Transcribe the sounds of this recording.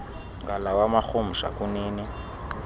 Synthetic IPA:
ŋɡalawamaxomuʃa̰kuniːni

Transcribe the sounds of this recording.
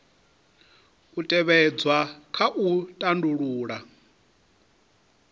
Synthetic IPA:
utʼɛβɛd͡zwakʰaʔutʼanduɺuːɺa

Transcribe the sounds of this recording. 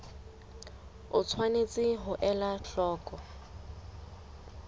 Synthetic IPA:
ʊt͡sʰwanet͡sʼɪɦʊʔɛlaɬɔːkʼɔ

